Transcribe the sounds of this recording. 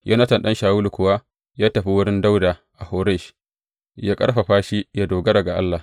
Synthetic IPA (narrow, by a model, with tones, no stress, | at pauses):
jʔa̰˦na˦tɐ˨nɗɐ˦nʃaː˨wuː˦lkʷʊ˨wa˦ | jaː˦tɐ˨ɸi˦wʊ˦ɽɪ˦nda˦wda˨ʔa˨ho˨˦ɾa˦˨ʃ | ja˦kʼɐ̰˦ɽɸa˨ɸaː˦ʃi˦ja˦doː˨ɡɐ˦ɾɐ˨ɡa˨ʔa̰˦lːa˨